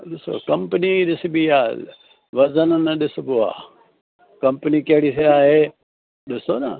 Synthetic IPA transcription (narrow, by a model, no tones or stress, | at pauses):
ɗɪso̰kɐmpniɗɪsbijaː | ʋɐzɐnnɐɗɪsbua̰ː | kɐmpnikeɦɽiseaːɦeː | ɗɪsoːnɐ̰